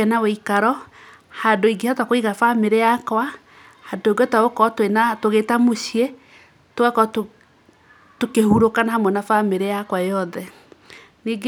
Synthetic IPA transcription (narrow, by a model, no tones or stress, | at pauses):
ɛnaweikaɾɔ | hadoiɡehatwakoiɣafameɾejakwa | hadoeɡɔtaɣokɔtwenatoɣetamoɕie | towakɔt | tokehuɾokanahamwɛnafameɾejakwajɔðɛ | niɡ